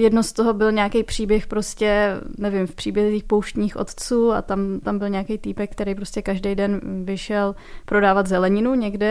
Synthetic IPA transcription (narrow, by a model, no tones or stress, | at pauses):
jɛdno̞st̪oɦo̞bɪlɲɛakejpr̝̥iːbjɛxpɾo̞scɛnɛvɪmfpr̥iːbjɛzɪziːxpowʃt̪ɲiːxʔo̰t̪t͡suːa̰t̪amt̪ambɪlɲɛakejt̪ipɛkːt̪ɛɾejpɾoscɛkaʒdejdɛnvɪʃɛl | pɾo̞daːvat̪zɛlɛɲɪnuɲɛɡdɛ